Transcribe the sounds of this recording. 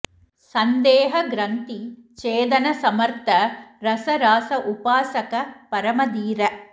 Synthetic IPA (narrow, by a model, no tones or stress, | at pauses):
sɐnd̪ɛːɦɐɡɾɐnt̪it͡ʃeːd̪ɐnɐsɐmɐɾt̪ʰɐɾɐsɐɾaːsɐʔupaːsɐkɐpɐɾɐmɐd̪iːɾɐ